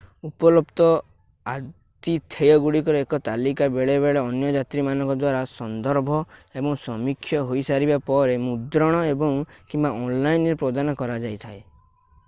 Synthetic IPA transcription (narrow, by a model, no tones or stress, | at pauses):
upɔlɔpt̪ɔ | a | t̪it̪ʰejɔɡuɽikɔɾɔekɔt̪alikabeɭeβeɭeɔnjɔd͡ʒat̪ɾimanɔ̃ŋkɔd̪waɾasɔnd̪ɔɾbʱɔebɔŋsɔmikʰːjɔɦojsaɾibapɔɾemud̪ɾɔɽ̃ɔebɔŋkimbaʔɔnlajnɾepɾɔd̪anɔkɔɾad͡ʒajt̪ʰae